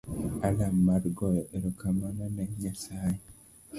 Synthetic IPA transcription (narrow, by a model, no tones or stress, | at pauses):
alamːaɾɡɔjɔʔeɾɔkamananɛɲasaje